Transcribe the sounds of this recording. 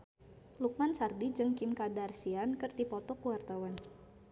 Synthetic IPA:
luk̚mansardid͡ʒɨŋkimkadarsiankərt̪ipɔt̪ɔkuwart̪awan

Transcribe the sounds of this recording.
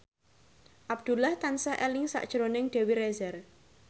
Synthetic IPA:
ʔab̚d̪̥ṳlaht̪ansaʔɛlɪŋsa̰ʔd̥ʒ̥ɾonɪŋɖ̥e̤wiɾɛzɛr

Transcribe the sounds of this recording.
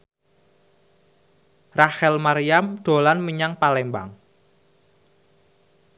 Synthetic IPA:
rahɛlmaɾijamɖ̥o̤lanməɲaŋpalɛmba̰ŋ

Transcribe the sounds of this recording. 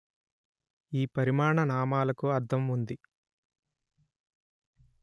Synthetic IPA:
iːpɐɾimaːɳɐnaːmaːlɐkuɐɾt̪ʰɐmund̪i

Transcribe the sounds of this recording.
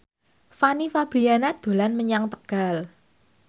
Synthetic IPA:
fanifab̥ɾianad̪̥o̤lanməɲaŋt̪əɡ̥al

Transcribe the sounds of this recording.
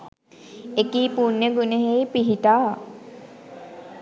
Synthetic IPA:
ekiːpunːəɡuneɦejpiɦiʈaː

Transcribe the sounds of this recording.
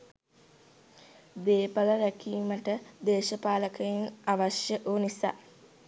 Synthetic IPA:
b̪eːpaləɾækiːməʈəd̪eːʃəpaːləkəjinaʋaʃjəʔoːnisa̰ː

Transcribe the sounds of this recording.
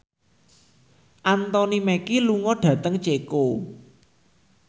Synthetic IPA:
ʔant̪ɔnimɛkiluŋɔɖ̥ä̤t̪əŋt͡ʃeko

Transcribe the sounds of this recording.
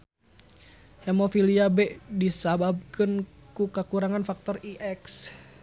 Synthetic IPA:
hɛmɔfiliabɛʔdisabab̚kɨnkukakuɾaŋanfak̚t̪ɔriʔɛks

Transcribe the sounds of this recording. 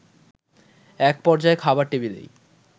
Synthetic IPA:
ɛk̚pɔɾd͡ʑaekʰabaɾʈebilḛj

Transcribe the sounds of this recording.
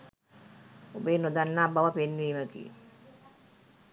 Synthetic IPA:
obeːnod̪anːaːbaʋəpenʋiːməɡḭ

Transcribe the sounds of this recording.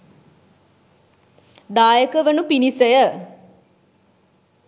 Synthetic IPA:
d̪aːjəkəʋənupinisəjə

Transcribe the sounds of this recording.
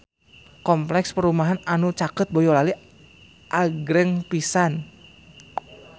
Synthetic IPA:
kɔmplɛkspəɾumaɦananut͡ʃakət̪̚bɔjɔlali | ʔaɡɾɛŋpisan

